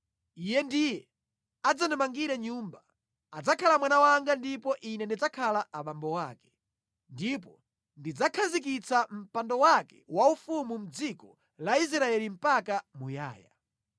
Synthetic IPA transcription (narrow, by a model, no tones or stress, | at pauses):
ijɛndijɛ | ad͡zanɛmaŋɡiɾɛɲuːmba | ad͡zakʰalamwanawaŋɡandipɔʔinɛndid͡zakʰalaʔaɓambɔwaːkɛ̥ | ndipɔ | ndid͡zakʰazik̬it͡sam̩pandɔwakɛ̥waufumum̩d͡zikɔ | lais̬ɾaɛlim̩pakamuja̰ːja̰